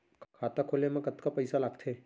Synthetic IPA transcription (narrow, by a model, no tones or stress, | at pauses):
kʰaːt̪akʰolemãkət̪kapəjsalaːɡt̪ʰe